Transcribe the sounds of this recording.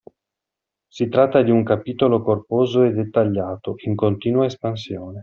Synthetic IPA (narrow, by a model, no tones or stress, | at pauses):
sit̪ɾat̪ːad̪iuŋkapiːt̪olokorpoːzoed̪et̪ːaʎːaːt̪oʔiŋkont̪iːnuaespansjoːne